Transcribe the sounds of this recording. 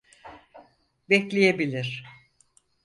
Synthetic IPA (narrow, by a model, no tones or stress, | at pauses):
bɛclʲijebilʲiɾ̥